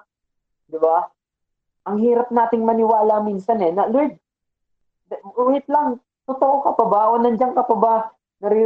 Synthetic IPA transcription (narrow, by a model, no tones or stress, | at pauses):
d̪ɪba | ʔɐŋhiːɾɐp̚naːt̪ɪŋmɐnɪwaːlɐmiːnsɐnɛnɐlʊɪd̪̚ | uːhɪt̪̚lɐŋ | t̪ot̪oʔokɐpɐbaʔonɐnd͡ʒaŋkɐpɐba | nɐɾi